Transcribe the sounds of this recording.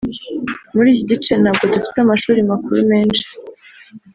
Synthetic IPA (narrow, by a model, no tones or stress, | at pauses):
muɾiːjiɟit͡ʃe̞nhaːb̚ɡo̞dufi̥tamaʃuːɾimakuɾume̞ːnʃe̥